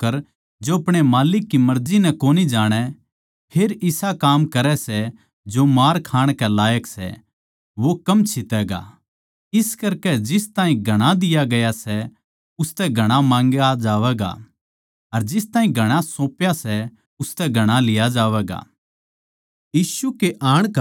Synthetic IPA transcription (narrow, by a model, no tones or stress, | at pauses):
kːɐɾ | d͡ʒoɐpɽ̃emaːlɪkːimɐɾd͡ʒinɛkoːnid͡ʒaːɽ̃ɛ | pʰeːɾɪsakaːmkɐɾɛsɛ | d͡ʒomaːɾkʰaːɽ̃kɛlaːjəksɛ̰ | ʋokɐmt͡ʃʰɪt̪ɛːɡa̰ | ɪskɐɾkɛd͡ʒɪst̪aːĩɡʱɐɽ̃ad̪ɪjaɡɐjasɛ | ʊst̪ɛɡʱɐɽ̃amãːŋɡad͡ʒaːʋɛːɡa̰ | ɐɾd͡ʒɪst̪aːɦĩɡʱɐɽ̃asõːpjasɛ | ʊst̪ɛɡʱɐɽ̃alɪjad͡ʒaːʋɛːɡa̰ː | jiːsukeʔaːɽ̃